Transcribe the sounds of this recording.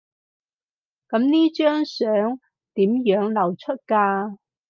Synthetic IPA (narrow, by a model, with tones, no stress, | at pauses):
kɐ˨˥mniː˥t͡ʃœː˥ŋsœː˨˥ŋ | t̪iː˨˥mjœː˨˥ŋlɐ˨wt͡ʃʰɵ˥t̚kaː˧